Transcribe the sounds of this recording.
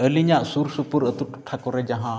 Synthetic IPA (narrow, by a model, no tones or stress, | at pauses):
əliɲaʔsuɾsupuɾət̪uʈu̥ʈʰakɔɾɛd͡ʒaɦã